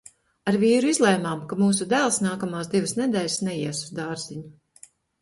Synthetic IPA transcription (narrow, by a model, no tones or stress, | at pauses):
aɾviːɾuizlˠɛjmaːmkamuːs̬ud̪æːlˠsnaːkamaːsd̪ivəsnɛd̪ɛːlʲsnɛjiɛsu̥zd̪aːɾziɲu